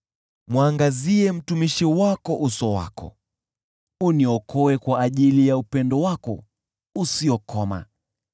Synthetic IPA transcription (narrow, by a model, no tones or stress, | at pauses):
mwaŋɡaziɛm̩tumiʃiwakɔʔusɔwa̰kɔ̰ | uniɔkʰɔɛkwaːʄilijaupɛndɔwakɔ̰ | usiɔkʰɔma̰